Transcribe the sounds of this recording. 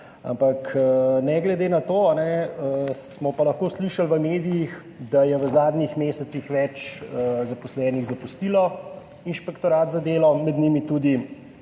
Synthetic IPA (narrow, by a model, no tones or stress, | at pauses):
a̰mpakːnɛɡlɛd̪eːnat̪oːanɛəsmɔpalɐxkoːsliʃalʋəmeːd̪ijix | d̪ajɛʋəzaːd̪nixmeːsɛt̪sixʋɛt͡ʃəzapɔslɛːniɣzapust̪ilɔ | inʃpɛkt̪ɔɾaːt̪zad̪eːlɔmɛd̪nimit̪ud̪i